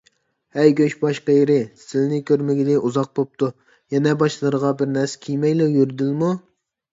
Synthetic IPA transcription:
hɛjɡʲøʃbɑʃqejɾɪsɪlnɪkʲʰøɾmɪɡʲɪd̪ɪʔuzɑq̚bop̚t̪ʰu | jɛnɛbɑʃlˠɨɾəʁɑbɪɾnɛɾskʲʰijmɛjlˠɪjyɾɪd̪ɪlmu

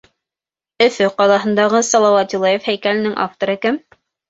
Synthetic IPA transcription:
ɵ̆fɵqɑlˠɑɦɤ̆nd̪ɑʁɤsɑlˠɑwɑt̪ʲilˠɑjefhæjkælɘ̆nɘŋʔɑ̰ft̪ŏɾɤ̆kɘm

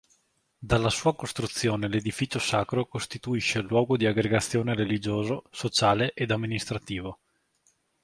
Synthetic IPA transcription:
d̪alːasuːakost̪ɾut̪sːjoːneled̪ifit͡ʃosaːkɾokost̪it̪uiʃelwɔːɡod̪iaɡɾeɡat̪sːjoːneɾelid͡ʒoːzosot͡ʃaːleʔed̪amːinist̪ɾat̪iːvo

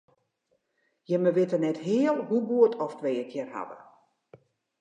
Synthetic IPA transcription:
jəməʋɪtənɛtɦɪəlˠhubuətʰɔftʋeːəkʰjɪrha̰ʋə̰

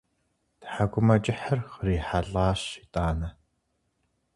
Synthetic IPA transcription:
tħaɡʷʊmɐt͡ʃʼɪħɐrχəɾiːħaɮaːɕitʼaːnɐ

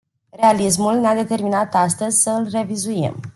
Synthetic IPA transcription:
realis̬mulnead̪e̞t̪e̞rminat̪ast̪əzʲsəɨlre̞vizujḛm

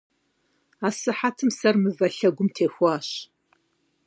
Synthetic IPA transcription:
aːsɨħatʰɨmsɐrmɨvɐɬɐɡʷʊmtʰeːxʷɑːɕ

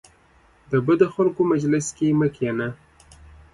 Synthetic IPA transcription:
d̪əbəd̪oxalkomad͡ʒlɪskeməkjana

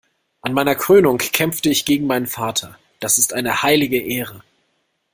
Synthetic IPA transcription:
ʔanmaɪnɐkʁ̥øːnʊŋkʰːɛmftəɪçɡ̥eːɡŋ̩maɪnənfaːtʰɐ | d̥asɪstʔaɪnəhaɪlɪɡəʔeːʁ̞ə

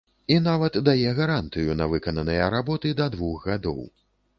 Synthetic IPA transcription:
inavɐt̪d̪ajɛɣɐɾant̪ɨjunɐvɨkɐnɐnɨjɐɾabɔt̪ɨd̪ɐd̪vuxɣad̪ɔ̰w

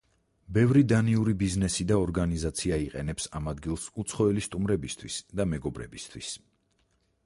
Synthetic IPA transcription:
bɛvɾid̪aniuɾibiznɛsid̪aɔɾɡanizat̪sʰiaiqʼɛnɛpsamad̪ɡilˠsut̪sʰχɔɛlist̪ʼumɾɛbist̪ʰwisd̪amɛɡɔbɾɛ̰bist̪ʰwis

